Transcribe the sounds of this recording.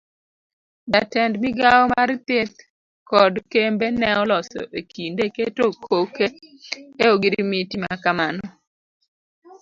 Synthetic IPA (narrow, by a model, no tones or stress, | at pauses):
datɛndmiɡaɔmaɾt̪et̪̚ | kɔdkembenɛɔlɔsɔ̰ʔekʰindeketokʰokeeoɡiɾimitima̰kamanɔ